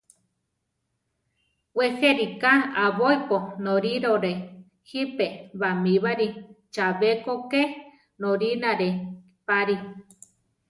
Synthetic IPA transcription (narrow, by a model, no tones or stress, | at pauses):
weheɾikaaβoiponoɾiɾoɾe | hipeβamiβaɾi | t͡ʃaβekoke | noɾinaɾe | paɾi